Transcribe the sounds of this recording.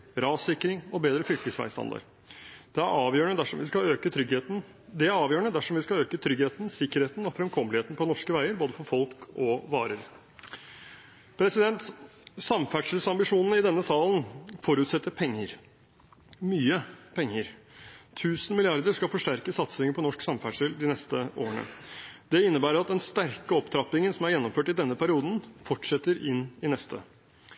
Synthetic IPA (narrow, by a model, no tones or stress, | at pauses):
ɾɑːsɪkːɾɪŋɔbeːd̪ɾəfɾʏkt̪ɪsʋæ̰ɪst̪ɑ̰nd̪ɑ̰ɾ | d̪̥ɛæɾɑːʋjøːɳəd̪æʂɔmʋɪskɑøːkət̪ʰɾʏɡheːt̪n̩ | d̪ɛæɾɑːʋjøːəɳəd̪æʂɔmʋɪskɑløːkət̪ʰɾʏɡheːt̪n̩sɪkːəɾheːt̪n̩ɔfɾɛmkʰɔməlheːt̪n̩pʰɔnɔʂkəʋæɪəɾboːd̪əfɔɾfɔlkɔʋɑ̰ːɾəɾ | pʰɾɛsɪd̪ɛnt̪sɑmfæʈʂəlsɑmbɪʂuːnənəɪd̪ɛnːəsɑːlənfɔɾʉːt̪sɛt̪ːəɾpʰɛŋːəɾ | myːəpʰɛŋːəɾ | t̪ʰʉːsnmɪlɪɑɾd̪əɾʂkɑfɔʂʈæɾkəsɑt̪sɪŋəpʰɔnɔʂksɑmfæʈʂəld̪ɪnɛst̪əʔo̰ːəɳə̰d̪̥ɛɪnːəbæːɾəɾɑt̪̚d̪ɛnst̪æɾkəɔpt̪ʰɾɑp̪ɪŋənsɔmæɾjɛnːɔmføːʈɪd̪ɛnːəpʰæɾɪuːd̪n̩fɔʈʂɛt̪ːəɾɪnːɪnɛst̪ʰə̰